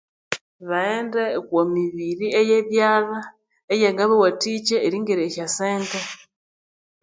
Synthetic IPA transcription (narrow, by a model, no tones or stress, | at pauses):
βaeːndekwomiβiɾiejeβjaːβa | ejeɡaβewatit͡ʃeːɾiŋɡeɾeçaseːnte